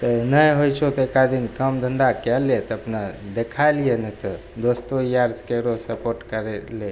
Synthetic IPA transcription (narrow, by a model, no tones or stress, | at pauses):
t̪ənəjɦojt͡ʃʰot̪ɔekad̪inkəmd̪ʱəɳɖakɛlet̪ɔəpnad̪ekʰajlijenɛt̪ɔ | d̪ost̪oijaɾskeɾosəpoɾʈkəɾɛle